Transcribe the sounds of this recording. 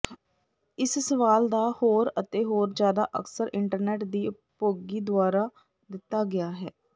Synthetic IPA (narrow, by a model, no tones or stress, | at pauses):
ɪssəʋaːld̪aːhoːɾət̪eːɦoːɾd͡ʒjaːd̪a̰ːʔə̰ksəɾʔɪɳʈəɾnɛːʈd̪iː | poːɡiːd̪ʊaːɾaː | d̪ɪt̪ːaːɡɪaːɦɛː